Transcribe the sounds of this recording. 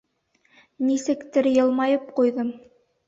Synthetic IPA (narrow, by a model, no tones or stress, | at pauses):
nisɘ̆kt̪ɘɾjɤ̆lˠmɑjɤpqujðɤm